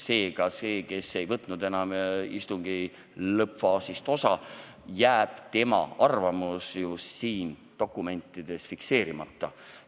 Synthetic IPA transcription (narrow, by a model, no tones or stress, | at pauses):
se̞ːɡɑse̞ːke̞se̞jvɤt̪ˑnud̪̥e̞nɑmist̪uŋɡ̥i | lɤpfɑːsist̪o̞sɑ | jæːb̥t̪e̞mɑ̰ɑrvɑmusjusiːnt̪o̞kˑːume̞nt̪ːˑid̪̥e̞sfikse̞ːɾimɑ̰t̪ːɑ